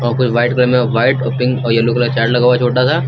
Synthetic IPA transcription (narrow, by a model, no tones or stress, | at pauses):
ɔːɾkʊt͡ʃʰʋaːɪʈklemẽʋaːɪʈopɪ̃ŋɡɔːɾjɐlukelat͡ʃaːʈlɐɡawat͡ʃʰoːʈat̪ʰaː